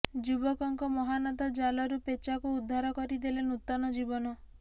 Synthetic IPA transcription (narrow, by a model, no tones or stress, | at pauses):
d͡ʒubɔkɔŋkɔmɔɦanɔt̪ad͡ʒalɔɾupet͡ʃakuːd̪ʱːaɾɔkɔɾid̪elenut̪ɔnɔd͡ʒibɔnɔ